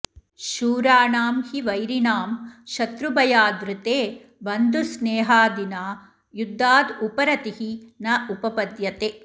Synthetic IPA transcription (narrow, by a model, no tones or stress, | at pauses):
ʃuːɾaːɳaːmhiʋɐjɾinaːmʃɐt̪ɾubɐjaːd̪ɾut̪eː | ʋɐnd̪usneːɦaːd̪inaː | jud̪ʱːaːd̪upɐɾɐt̪ihinɐʔupɐpɐd̪jɐt̪eː